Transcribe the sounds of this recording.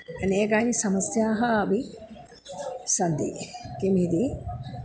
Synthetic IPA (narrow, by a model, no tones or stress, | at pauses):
eneːɡajnisɐmɐsjaːɦɐːbi | sɐnd̪ḭkemid̪i